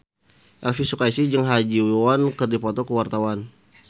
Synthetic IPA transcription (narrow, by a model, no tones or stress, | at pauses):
ʔɛlfisukaisid͡ʒəŋɦad͡ʒiwowankərdipɔt̪ɔkəwart̪awan